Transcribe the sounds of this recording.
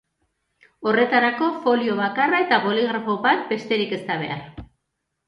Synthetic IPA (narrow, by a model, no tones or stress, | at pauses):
o̞re̞t̪aɾako̞fo̞lio̞β̞akarae̞t̪aβo̞liɣ̞ɾafo̞βat̪̚be̞st̪e̞ɾike̞st̪aβ̞e̞̰aɾ